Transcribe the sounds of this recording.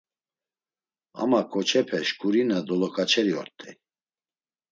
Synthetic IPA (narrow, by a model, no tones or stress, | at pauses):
a̰makʰʼɔt͡ʃʰɛpʰɛʃkʼuɾinad̪ɔlɔkʼat͡ʃʰɛɾiɔ̰ɾt̪ʰʼɛ